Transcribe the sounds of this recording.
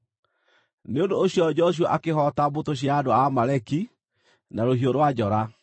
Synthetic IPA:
neondoːɕijɔd͡ʑɔɕ̬uaʔakehɔtambotoɕ̬jaːdoamaɾɛki | naɾohioɾwad͡ʑɔɾa

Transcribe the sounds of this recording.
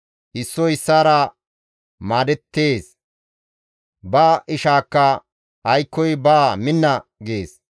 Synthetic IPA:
ʔɪsːɔɪsːaːɾɐ | maːd̪ɛt̪ːeːs | baːʔɪʃaːkːɐ | ɐjkːɔjbaːmɪnːɐɡeːs

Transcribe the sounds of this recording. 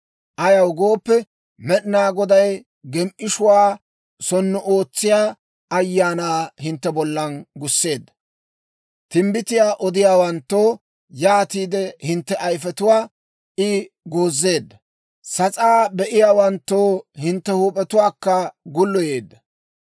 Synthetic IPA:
ʔɐjɐwɡo̞ːpːɛ | mɛɗɪnaːɡɔd̪ɐj | ɡɛmʔɪʃʊwaː | sɔnːʊʔoːt͡sːɪjaː | ɐjːaːnaːhɪnt̪ːɛbɔlːɐnɡʊsːe̞ːd̪ːɐ̥ | t̪ɪmbɪt̪ɪjaːʔɔd̪ɪjaːwɐnt̪ːoː | jaːt̪iːd̪ɛhɪnt̪ːɛʔɐjfɛt̪ʊwaː | ʔɪ | ɡoːzːe̞ːd̪ːɐ | sɐt͡sʼaːbɛʔɪjaːwɐnt̪ːo̞ːhɪnt̪ːɛhuːpʼɛt̪ʊwaːkːɐɡʊlːɔje̞ːd̪ːɐ

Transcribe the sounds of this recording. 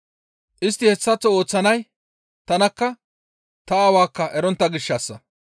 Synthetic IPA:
ʔɪst̪ːɪhɛsːɐt͡sːɔoːt͡sːɐnɐj | t̪ɐnɐkːɐ | t̪ɐaːwaːkːɐʔɛɾɔnt̪ːɐɡɪʃːɐsːɐ

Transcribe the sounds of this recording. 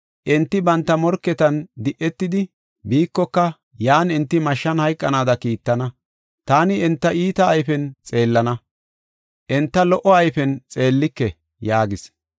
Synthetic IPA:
ʔɛnt̪ːɪbɐnt̪ːɐmɔɾkːɛt̪ɐnd̪ɪʔːɛt̪ːɪd̪ɪ | biːkːɔkːɐ | jaːnɪnt̪ːɪmɐʃːɐnhɐjkʼːɐnaːd̪ɐkiːt̪ːɐnɐ | t̪aːnɪɛnt̪ːɐʔiːt̪ɐːjfɛnt͡sʼe̞ːlːɐnɐ | ʔɛnt̪ːɐlɔʔɔɐjfɛnt͡sʼe̞ːlːɪkːɛ | jaːɡɪs

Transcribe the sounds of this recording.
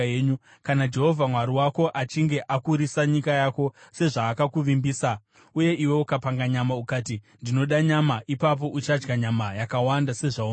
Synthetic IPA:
eːɲu | kanad͡ʒe̞ɦo̞vʱamwaɾiwako̞ʔat͡ʃiŋɡe̞ʔakuɾisaɲikajako̞se̞ʐaːkakuʋimbiːsa | uje̞ʔiwe̞ukapaŋɡaɲamaukaːti | ndino̞ɗaɲamaʔipap̬o̞ʔut͡ʃad͡ʒɡaɲamajakawandase̞ʐau

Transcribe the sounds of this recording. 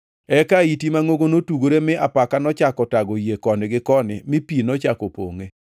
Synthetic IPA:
ɛkaitimaŋoɡonotuɡoɾemɪʔapakanɔt͡ʃakɔtaɡojekɔnɪɡɪkɔnɪ̰mɪpinɔt͡ʃakopo̰ŋe

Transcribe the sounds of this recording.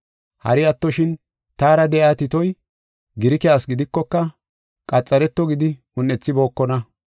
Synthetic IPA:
hɐ̰ɾɪɐt̪ːɔʃɪn | t̪aːɾɐd̪ɛʔaːt̪ɪt̪ɔj | ɡɪɾɪkɛjaːsɡɪd̪ɪkːɔkːɐ | kʼɐt͡sʼːɐɾɛt̪ːɔɡɪd̪ɪ | ʊnːɛt͡sːɪbo̞ːkːɔnɐ

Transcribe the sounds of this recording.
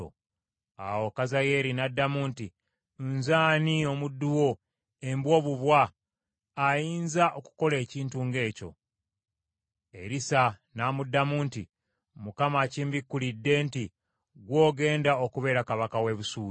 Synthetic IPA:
o̰ | a̰wokazaje̞ɾinadːamuːnti | nzaːnio̞mudːuwo̞ | e̞mbwo̞ːβuβwaː | jiːnzaʔoku̥ko̞le̞ːciːntuːŋɡe̞ːco̞̰ | e̞̰ɾisanaːmudːamuːnti | mukamaːciːmbikːulidːe̞ːnti | ɡwo̞ːɡe̞ːndaokuβe̞ːɾakaβakawe̞βusuː

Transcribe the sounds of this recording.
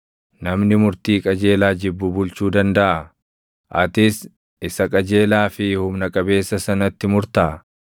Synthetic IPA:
nɐmnɪmʊɾt̪iːkʼɐd͡ʒe̞ːlaːd͡ʒɪbːʊbʊlt͡ʃuːd̪ɐnd̪ɐʔɐ | ʔɐt̪ɪs | ɪsɐkʼɐd͡ʒe̞ːlaːfɪhʊmnɐkʼɐbe̞ːsːɐsɐnɐt̪ːɪmʊɾt̪ɐʔɐ

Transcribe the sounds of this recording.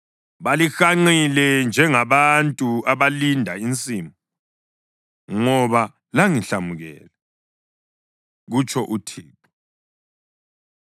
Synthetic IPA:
βalixaŋ͡ǃilɛnd͡ʒʱɛŋaβantʼuaβalindʱaint͡sʼimu | ŋɔβa | laŋiɬamuɣɛ̰ːlɛ | ɣut͡ʃʼʰɔʔutʰiːpʰʼu

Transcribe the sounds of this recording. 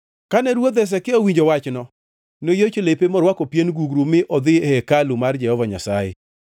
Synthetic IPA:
kanɛɾwod̪ɛs̬ɛkɪowiɲd͡ʒowat͡ʃnɔ | nojot͡ʃolepemɔɾwakɔpjenɡuɡɾumɪʔɔd̪ɪhɛkalumard͡ʒɛhɔvaɲasajɪ̰

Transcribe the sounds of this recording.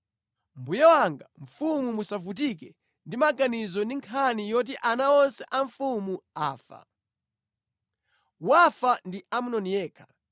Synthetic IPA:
mbujawaŋɡaɱ̩fumumusavut̬ikɛ | ndimaɡanizɔndiŋkʰanijɔt̬iʔanaɔnsɛʔaɱfumuaːfa̰ | wafandiamunɔnijɛːkʰḁ

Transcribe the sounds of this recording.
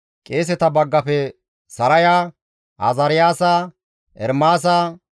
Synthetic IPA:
kʼe̞ːs̬ɛt̪ɐbɐɡːɐfɛ | sɐɾɐjaː | ʔa̰zɐɾɪjaːsaː | ɛ̰ɾmaːs̬aː

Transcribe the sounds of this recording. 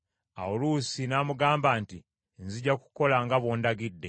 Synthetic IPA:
a̰wuluːsinaːmuɡaːmbaːnti | nziɟaku̥ko̞laŋɡaβo̞ːndaɡidːe̞̰

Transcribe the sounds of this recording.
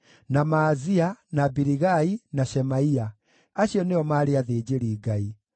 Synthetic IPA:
namaːzianabiɾiɣainaʃɛmaia | aɕjɔneɔmaːɾeaðeːd͡ʑeɾiːɡai

